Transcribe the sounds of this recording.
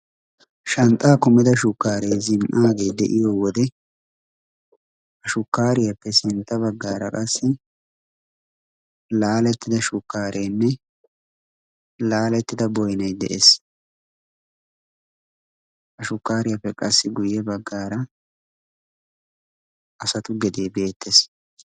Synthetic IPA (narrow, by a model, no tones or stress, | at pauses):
ʃɐnt̪ʼːaːkʊmɪd̪ɐʃʊkːaːɾejzɪmʔaːɡe̞ːd̪ɛ̰ʔɪjoːwɔd̪ɛ | hɐʃʊkːaːɾɪjɐpːɛsɪnt̪ːɐbɐɡːaːɾɐkʼɐsːɪ | laːlɛt̪ːɪd̪ɐʃʊkːaːɾʔeːnːɛ | laːlɛt̪ːɪd̪ɐbɔjnɐjd̪ɛ̰ʔes | hɐʃʊkːaːɾɪjapːɛkʼɐsːɪɡʊjɛbɐɡːaːɾɐ | ʔɐsɐt̪ʊɡɛd̪e̞ːbe̞ːt̪ʰːes